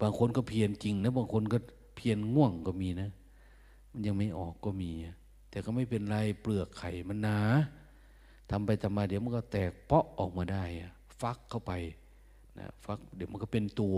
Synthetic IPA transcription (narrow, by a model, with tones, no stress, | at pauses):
baː˧ŋkʰo˧˥˨nkɔ˧˩pʰi˧ənt͡ɕi˧ŋna˦˧˥baː˧ŋkʰo˧˥˨nkɔ˧˩ | pʰi˧ənŋu˥˩əŋkɔ˧˩miː˧na˦˧˥ | ma˧˥˨nɲa˧ŋma˧˥˩jʔɔː˨˩kːɔː˧˩miː˧a˧˩ | t̪ɛː˨˩kaː˧˩ma˥˩jpe˨nlaː˧˩˨jplɯ˧˩ɐkʰːa˨˩jma˧˥˨nːaː˧˦ | t̪ʰa˧˦mpa˨jt̪ʰa˧˦maː˧˩di˨˦wma˧˥˨kːɔ˧˩t̪ɛː˨˩k̚pɔ˦˥ʔʔɔː˨˩k̚maː˧da˧˩ja˧˩ | fa˧˦˥kʰːa˥˩wpa˨˩j | na̰˧˥fa˧˥k̚di˨˦wma˧˨kɔ˧˩pe˨nt̪u˧